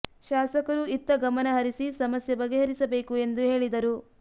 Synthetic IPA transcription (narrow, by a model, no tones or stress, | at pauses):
ʃaːsɐkɐɾuit̪ːɐɡɐmɐnɐɦɐɾisisɐmɐsjɐbɐɡeɦɐɾisɐbe̞ːkue̞nd̪uɦe̞ːɭid̪ɐɾu